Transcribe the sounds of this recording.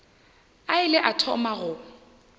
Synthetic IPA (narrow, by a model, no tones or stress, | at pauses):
aɪlɛʔatʰɔmaɣʊ